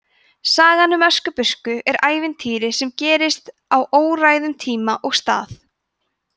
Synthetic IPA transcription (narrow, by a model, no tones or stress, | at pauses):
saːɣanʏmœskʏpʏskʏʔɛɾaːjvɪnt̪ʰiːɾɪsɛmcɛːɾɪst̪ | awʔoːwraːjðʏmt̪ʰiːmaʔɔɣst̪a̰ːθ